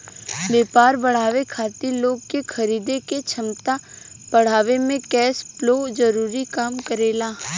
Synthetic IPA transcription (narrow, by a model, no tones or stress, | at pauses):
beːpaːɾbɐɽ̤aːʋekʰaːt̪iloːɡ̚kexʰɐɾiːd̪eket͡ʃʰɐmt̪a | pɐɽ̤aːʋemẽkɛːsploːd͡ʒɐɾuːɾikaːmkəɾeːlaː